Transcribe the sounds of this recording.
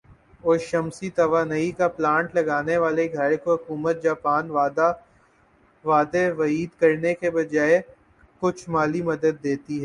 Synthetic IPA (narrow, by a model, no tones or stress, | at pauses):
oːʃɐmsit̪ɐʋaːnɐikaplãːɳʈlɐɡaːneʋaːleɡʱɐɾkoɦʊkuːmət̪̚d͡ʒaːpaːnad̪a | ʋaːd̪eʋɐiːd̪kɐɾnekebɐd͡ʒaːe | kʊt͡ʃʰmaːlimɐd̪əd̪ːeːt̪iɦɛː